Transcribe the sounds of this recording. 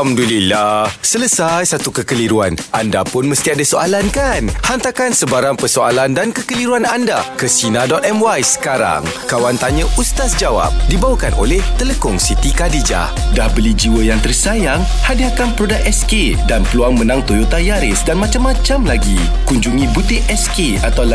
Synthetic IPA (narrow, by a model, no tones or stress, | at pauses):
amdulilahsələsajsat̪ukəkəliɾuanʔandapʊnməst̪iadasoʔalankanhant̪akansəbaɾaŋpəsoa̰landankəkəliɾuanandakəsinadɔt̪̚ɛmwajsə̥kaɾa̰ŋkawant̪aɲə̃ʔust̪asd͡ʒawa̰p̚dibawakanʔo̰lɛht̪ələkʊŋsit̪ikadid͡ʒa̰ | dahbəlid͡ʒiwəjaŋt̪ərsajaŋ | hadiakanpəɾodaʔɛske | danpəluaŋmənãŋt̪ojot̪ajaɾɪsdanmãt͡ʃamːãt͡ʃamlaɡi | kuɲd͡ʒuŋĩbut̪ɪʔɛske | at̪awla